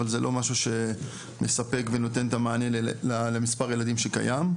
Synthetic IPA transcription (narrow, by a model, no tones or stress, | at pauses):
alzelʔo̞maʃuʃe̞ | mʔesape̞kve̞no̞te̞ntamaːne̞lalemispaʁjeladimʃeka̰jam